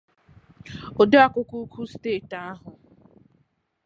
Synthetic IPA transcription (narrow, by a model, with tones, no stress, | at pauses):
o˨do˦a˦˨kʊ˦ku˦kʷʰu˦steː˦˨ta˦ɦʊ˨